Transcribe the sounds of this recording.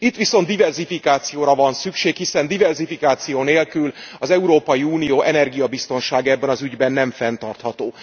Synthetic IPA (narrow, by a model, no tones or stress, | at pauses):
it̪ːʋiso̞nd̪ivɛrzifikaːt̪sijoːɾɒvɒnsykʃeːkhisɛnd̪ivɛrzifikaːt̪sijoːneːlkylɒzɛuɾoːpɒjiuːnijoːʔɛnɛrɡijɒbist̪o̞nʃaːɡɛbːɛnɒzyɟbɛnːɛɱfɛnt̪ɒrt̪hɒt̪oː